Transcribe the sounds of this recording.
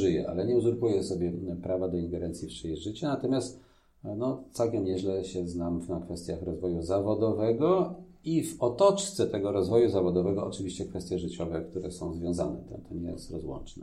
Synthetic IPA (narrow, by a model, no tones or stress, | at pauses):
ʐɘjɛ̰ʔa̰lɛɲɛuzuɾkujɛsɔbʲjɛpɾavad̪ɔiŋɡɛɾɛnt̪sʲjipʂɛjʐɘt͡ɕɛnat̪ɔmʲjast̪ | nɔt̪sawkʲɛmɲɛʑlɛɕɛznamnakfɛst̪ʲjaxɾɔzvɔjuzavɔd̪ɔvɛɡɔ | ivɔt̪ɔt͡ʂt̪sɛt̪ɛɡɔɾɔzvɔjuzavɔd̪ɔvɛɡɔʔɔt͡ʂɘvʲiɕt͡ɕɛkfɛst̪jɛʐɘt͡ɕɔvɛk̚t̪uɾɛsɔ̃w̃zvʲjɔ̃w̃za̰nɛ̰t̪ɛt̪ʰɔɲɛjɛ̰st̪ɾɔzwɔ̰nt͡ʂnɛ